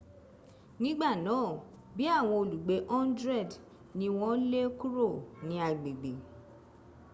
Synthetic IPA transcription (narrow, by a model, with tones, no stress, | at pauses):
nĩ˦ɡ͡ba˦˨nãː˨˦˨ | bi˨˦a˦˨w̃ɔ̃˧o˨lu˨ɡ͡be˨˦ʔɔ˦n˦dɾɛ˦˨d | nĩ˧w̃ɔ̃˦le˦ku˦ɾo˦˨nĩ˧˦a˨ɡ͡be˨ɡ͡be˨